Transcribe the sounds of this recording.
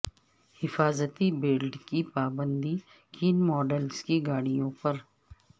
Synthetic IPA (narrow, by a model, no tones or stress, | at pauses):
hɪfaːzət̪ibeːlɖkipaːbə̃nd̪i | kʰiːnmɔːɖəlskiɡaːɽ̃ijõpɐɾ